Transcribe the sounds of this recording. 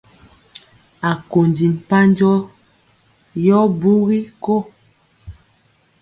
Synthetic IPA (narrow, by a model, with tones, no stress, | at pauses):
a˨ko˨ndi˨m̩˨pa˦nd͡ʒɔ˦ | jɔ˦bu˦ɣi˦ko˦˨